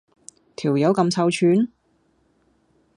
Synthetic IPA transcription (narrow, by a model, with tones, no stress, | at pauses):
t̪ʰiː˨˩wjɐ˨˥wkɐ˧mt͡sʰɐ˧wt͡ʃʰyː˨˧n